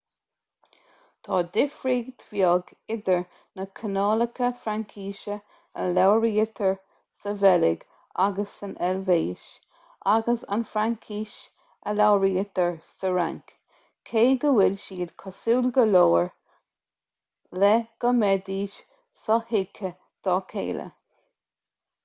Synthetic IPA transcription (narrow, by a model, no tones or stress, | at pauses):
t̪ʰɑːd̪ɪfɾiːɡt̪ʰv̥jɔɡɪd̪əɹ | nəkʰənɑːləkʰəfɾaŋkʰiːʃə | ə̰lawɹiːət̪ʰəɹ | səvɛlɪɡ | a̰ɡəsənʔɛlveːʃ | aɡəsa̰nfɾaŋkʰiːʃ | əlawɹiːət̪əɹsəɹa̰ŋk | kʰeːɡəwɪlʃiːdkʰɔsuːlɡəloːɹ | lɛɡ̥əmɛd̪iːʃ | sɔhɪkʰə | d̪̥ɔːkʰḛːlə̰